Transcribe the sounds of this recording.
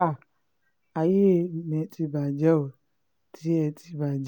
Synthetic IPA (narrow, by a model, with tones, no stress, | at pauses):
a˦˨ | a˨je˦ne˨˦ti˦ba˨d͡ʒa˦wo˨ | tʰi˦ɛ˧tʰi˧ba˨d͡ʒ